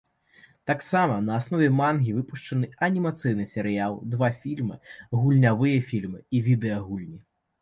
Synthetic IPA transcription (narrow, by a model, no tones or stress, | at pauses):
t̪aksamɐnɐːsnɔvʲɛmanɣʲivɨpuʂt͡ʂɐnɨɐnʲimat̪sɨjnɨsʲɛɾɨjalˠd̪vafʲilʲmɨ̰ɣulʲnʲavɨjɐfʲilʲmɨivʲid̪ɛjɐɣulʲnʲi